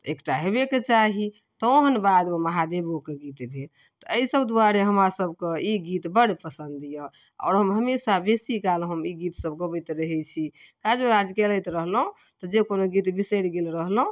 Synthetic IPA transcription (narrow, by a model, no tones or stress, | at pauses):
ekʈaɦebeket͡ʃaɦi | t̪ɔoɦənbad̪oməɦad̪ebokeɡit̪bʱel | t̪ɔəisəbd̪uaɾeɦəmɾasəbkeiɡit̪bəɽpəsənd̪ijə | ɔ̰ːɾɦəmɦəmesabesikalɦəmiɡit̪səbɡəbət̪ɾəɦɛt͡ʃʰikad͡ʒeɾad͡ʒkeləjt̪ɾəɦlɦõ | t̪ɔd͡ʒekonoɡit̪bisəɾɡelɾəɦlɦũ